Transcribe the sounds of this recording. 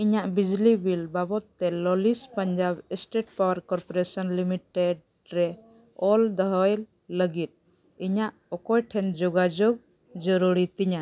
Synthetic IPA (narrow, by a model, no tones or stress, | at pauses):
iɲaʔbid͡ʒlibilbabɔt̪ːɛlɔlispəɲd͡ʒabɛsʈeʈ̚pawəɾkɔɾpɔɾesɔnlimiʈeɖ | ɾɛ | ɔld̪ɔɦɔjl | ləɡit̪̚ | iɲaʔ | ɔkɔjʈʰɛnd͡ʒoɡad͡ʒoɡ̚ | d͡ʒɔɾuɾit̪iɲa